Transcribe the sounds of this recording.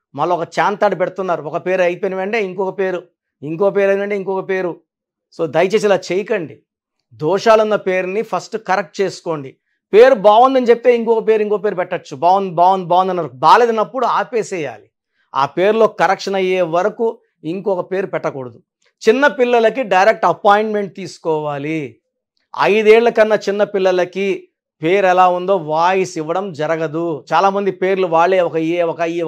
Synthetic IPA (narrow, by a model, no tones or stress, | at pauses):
mɐlːɐɔkɐt͡ʃaːnt̪aːɖupɛɽt̪unːaːɾuɔkɐpe̞ːɾɐjpeɐniʋɐɳʈeːiŋkɔːkɐpe̞ːɾu | iŋkɔːkɐpeːɾɐniʋɐɳʈeːiŋkɔːkɐpe̞ːɾu | so̞ːd̪ɐjt͡ʃeːs̬ilaːt͡ʃejɐkɐɳɖi | d̪ɔːʂaːlunːɐpe̞ːɾunipʰɐsʈkɐɾɐk̚ʈ̚t͡ʃeːsu̥ko̞ːɳɖi | pe̞ːɾubaːʋund̪ɐnit͡ʃep̚ːit̪e̞ːiŋkɔːkɐp̬e̞ːɾuiŋkɔːkɐpeːɾupɛʈːɐt͡ʃːubaːʋund̪baːʋund̪ibaːʋund̪ɐnːɐɐɾkbaːle̞ːd̪ɐnɐpːuɽuaːpeːsɛja̰ːli | a̰ːpe̞ːɾlo̞ːkɐɾɐkʂɐnɐjeːʋɐɾɐku | iŋkɔːkɐpe̞ːɾupɛʈːɐkuɽɐd̪u | t͡ʃinːɐpilːɐlɐkiɖɐjɾek̚ʈɐpaːjɳʈme̞ɳʈ̚t̪iːsu̥kɔːʋaːli | ɐ̰jd̪eːɭːɐkɐnːɐt͡ʃinːɐpilːɐlɐki | pe̞ːɾɛlaːund̪o̞ːʋaːjisiʋɐɽɐmd͡ʒɐɾɐɡɐd̪ut͡ʃaːlaːmɐnd̪ipe̞ːɾluʋaːɭːe̞ːɔkɐeːɔkɐ